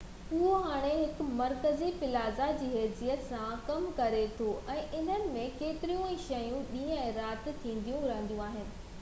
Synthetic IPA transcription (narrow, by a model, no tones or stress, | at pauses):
ʊɦoɦaːɽ̃eɦɪkʊ̆mɐɾkəzipɪlaːzad͡ʑiːɦeːzijət̪sãkɐmkɐɾet̪ʰoʔɛ̃ːʔɪn̤ənɪ̆mẽkeːt̪ɪɾijũɛ̃ːʃɐjũɗĩːə̃ɛ̃ːɾaːt̪ɪ̆t̪ʰːĩːn̆d̪ijũɾɐə̃nd̪jũaːɦɪnɪ̆